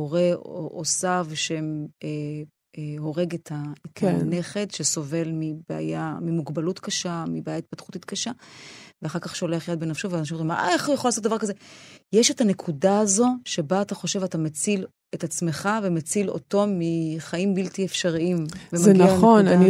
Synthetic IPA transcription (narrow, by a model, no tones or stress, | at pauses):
oʁeʔosavʃeme | ho̞ʁe̞ɡetaetʰane̞χetʃeso̞ve̞lmibea̰jamimuɡbalutkaʃamibeajait̪̚patχutit̪kaʃaveaχaʁkaχʃoleχjad̪̚benafʃoveanaʃimoimaa̰eχjeχolasot̚d̪avaʁkazejeʃe̞tane̞kʰudaːzo̞ʃe̞baːtaχo̞ʃe̞vatamet͡sil | etat͡smeχavemet͡silo̰to̞miχaimbiltiefʃaʁiimvemaɡaaonani